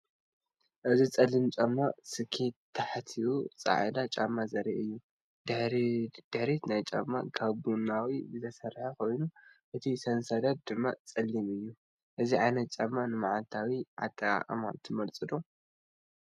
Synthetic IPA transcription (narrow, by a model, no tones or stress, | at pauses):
ʔɨzit͡sʼɐlːimt͡ʃʼamːasɨkʰet̪ʰːaħt̪ʰiwut͡sʼa̰ʕɨd̪at͡ʃʼamːazɐɾiʔɨjːu | d̪ɨħɾid̪̥ɨħɾet̪najt͡ʃʼamːakʰaβunawiɨt̪ʰɐsɐɾħakʰo̞jnuʔɨt̪ʰisɐnsɐd̪at̪̚d̪ɨmːa̰t͡sʼɐlːimɨjːu | ʔɨziʕajnɐt̪̚t͡ʃʼamːanɨmaʕalt̪ʰawiʕa̰t̪ʼːɐkʼa̰qʼɐ̰ma̰t̪ʰːɨmɐlt͡sʼɨd̪o